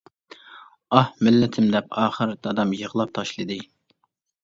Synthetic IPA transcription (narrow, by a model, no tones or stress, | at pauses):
ɑhmɪlːɪt̪ʰɪmd̪ɛpɑːχəɾd̪ɑd̪ɑmjəʁlˠɑp̚t̪ʰɑʃlˠɨd̪ɨ